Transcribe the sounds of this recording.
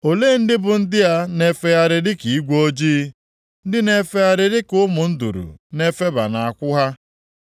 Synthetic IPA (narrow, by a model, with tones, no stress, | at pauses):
o˨le˦n̩˦dɪ˦bʊ˨n̩˦dɪ˦a˦ne˦fe˦ja˦ɾɪ˨dɪ˦ki˨i˦ɡʷo˦d͡ʒiː˦ | n̩˦dɪ˦ne˦fe˦ja˦ɾɪ˦ɾɪ˦kʊ˦mʊ˨n̩˦dṵ˨ɾṵ˨ne˦fe˦ba̰˨na˨a˨kʷʊ˦ɦa˦